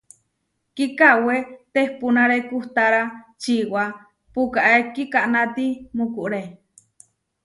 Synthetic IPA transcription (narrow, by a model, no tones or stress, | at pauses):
kikawet̪ehpunaɾekuht̪aɾat͡ʃiʔwa | pukaʔekikaʔnat̪imukuʔɾe